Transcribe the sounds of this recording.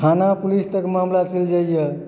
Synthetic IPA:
kʰanapulist̪əkmamlat͡ʃeld͡ʒajjə

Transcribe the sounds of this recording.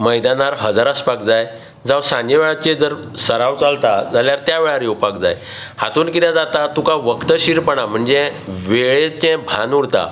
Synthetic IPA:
məjd̪anaɾɦəd͡zaɾəspakd͡zaj | d͡zawsanjəʋeɭat͡ɕed͡zəɾ | səɾawt͡salt̪ad͡zaljaɾt̪jaʋeɭaɾjowpakd͡za̰j | hat̪uːnkit̪jad͡zat̪at̪ũkaʋəkt̪əɕiɾpəɳam̤əɳd͡zeʋeɭet͡ɕɛ̃bʱã̰nuɽt̪a̰

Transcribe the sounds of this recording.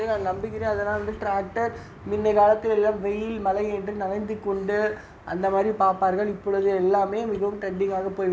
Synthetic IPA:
ɯnaːŋnɐmbɪkːɪɾẽːɐðɐlːãːʋɐnd̪ɯʈɾaːk̚ʈɐɾ | mɪnːɐɪkaːlɐt̪ːɪlɛlːaːmʋɛjɪlmɐlɐɪɛndrɯnɐlɐɪnd̪ɯkːɔɳɖɯ | ʔɐ̰nd̪ɐmaːd̪ɾipaːɾpaːɾɣɐɭɪpːɔɭɯðɯɛlːaːmeːmɪɣɐʋɯmʈɐɳɖɪŋɡaːɣɐpoːjʋ

